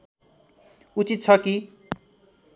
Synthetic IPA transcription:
ut͡sit̪̚t͡sʰʌki

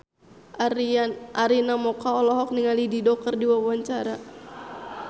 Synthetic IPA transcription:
ʔaɾinamɔkaɔlɔɦɔk̚niŋalididɔk̚kərdiwawaaɲt͡ʃaɾa

